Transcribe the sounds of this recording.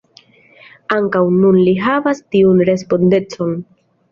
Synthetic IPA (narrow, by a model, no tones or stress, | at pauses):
aŋkawnunliɦavastiunɾe̞spo̞nde̞t͡so̞n